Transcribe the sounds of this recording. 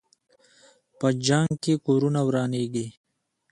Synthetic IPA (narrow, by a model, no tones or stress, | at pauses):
pəd͡ʒaŋɡkekoːɾunawɾɑːneɡi